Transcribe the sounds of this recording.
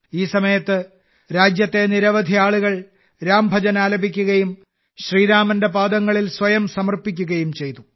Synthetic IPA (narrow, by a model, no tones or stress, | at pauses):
iːsɐmɐjɐt̪ːɨ | ɾaːd͡ʑjɐt̪ːe̞niɾɐʋɐd̪ʱiaːɭuɣɐɭ | ɾaːmbʱɐd͡ʑɐnaːlɐbʱikʲːuɣɐjum | ɕriːɾaːmɐndebaːd̪ɐŋːɐɭilsʋɐjɐmsɐmɐrpikʲːuɣɐjumt͡ɕe̞jt̪u